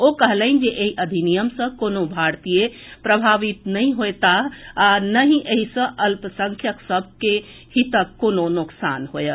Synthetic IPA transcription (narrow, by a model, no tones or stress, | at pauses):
okəɦləɪnd͡ʒeʔeɦiʔəd̪ʱinijəmsə̃konobʱaɾt̪ije | pɾəbʱaʋit̪nəĩɦojt̪aanəɦĩʔeɦisə̃ʔəlpəsə̃ŋkʰjəksəb̚ʱke | hit̪əkononuksa̰nɦojə